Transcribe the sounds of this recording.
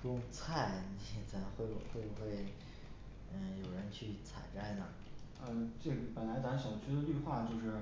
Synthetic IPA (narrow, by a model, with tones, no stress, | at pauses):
kʊ˥ŋt͡sʰa˥˩ɪn˥˩t͡sʰa˧˥ɪxwe˥˩ɪbu˨˩xwe˥˩bu˩xwe˥˩ɪ | ə˥˧˩jo˨˩ʊɻə˧˥nt͡ɕʰy˥˩t͡sʰa̰˨˩ɪʈ͡ʂa˥˩ɪnə˩ | ə˧ʈ͡ʂe˥˩ɡə˩pə˨˩nla˧˥ɪt͡sa˧˥ɕjɑ˨˩ʊt͡ɕʰy˥d̪ə˨ly˥˧xwa˥˧t͡ɕjo˥˧ʊʂɻ̩˥˩